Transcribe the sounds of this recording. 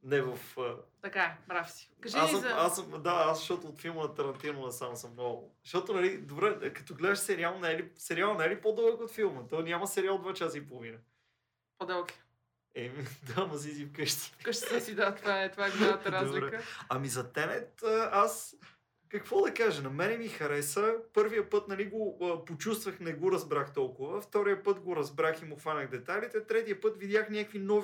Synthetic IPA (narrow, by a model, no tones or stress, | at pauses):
nɛvɐfət̪ɐkaɛbɾafsi̥kɐʒiasɐasəmd̪aasʃt̪ɔt̪ʊːt̪filˠmɐnɐt̪ɐɾɐnt̪inʊvɐsamʊsəmnɔɡʊ̰ʃt̪ɔt̪ʊnɐlid̪obɾɛkɐ̥t̪ɔɡlɛd̪əʃsɛɾialˠnnɛlisɛɾialˠnɛlipɔd̪ɛbˠkot̪filˠmət̪ɔjnʲamɐsɛɾialˠd̪vat͡ʃasəipolˠʊvinə | pod̪ɛlˠki̥ | ɛmid̪amɐzizifkɤʃt̪i̥kəʃt̪i̥t̪ɛsid̪at̪vaɛt̪ovaɛɡʊlaət̪əɾazliɛkəɐmizɐt̪ɛnɛt̪̚əas | kɐkvɔd̪ɐkaʒɛnɐmɛnɛmixɐɾɛsəpɤɾvijəpɤt̪nɐliɡoəpot͡ʃust̪vəxnɛɡoɾɐzbɾaxt̪ɔlˠkʊvəft̪ɔɾijəpɤt̪ɡoɾɐzbɾaximʊxvanʲəɣd̪ɛt̪alit̪ɛt̪ɾɛt̪ijəpɤt̪vid̪jaxnʲakvinɔv